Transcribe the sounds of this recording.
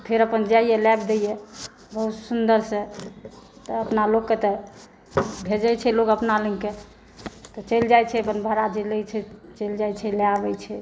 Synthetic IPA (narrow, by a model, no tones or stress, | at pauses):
pʰeɾəpənd͡ʒajelab̚d̪eje | bəɦut̪sund̪əɾsə̃ | t̪ɔːpnalokːet̪ɔ | bʱed͡ʒajt͡ʃʰɛlokəpnaləŋke | t̪ɔt͡ʃəjld͡ʒajt͡ʃʰɛpənbʱəɾad͡ʒelət͡ʃʰɛt͡ʃəjld͡ʒajt͡ʃʰɛleabɛt͡ʃʰɛ